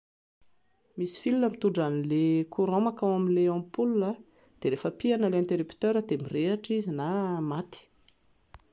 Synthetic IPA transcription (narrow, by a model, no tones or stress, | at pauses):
misi̥filinəmit̪uɳɖ͡ʐanilekʰuɾomakawaminleãmpulunə | d̪̥eɾefəpianəleɛ̃nt̪eɾipt̪øɾəd̪emireaʈ͡ʂizinamat̪i̥